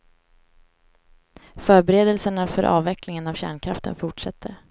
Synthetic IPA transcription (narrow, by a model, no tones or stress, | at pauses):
fœːɾbɛɾeːd̪əlsəɳafœɾʔɑ̰ːvɛklɪŋənavɕæ̰ːɳkʰɾaft̪ʰə̰nfʊʈʂɛt̪ʰːəɾ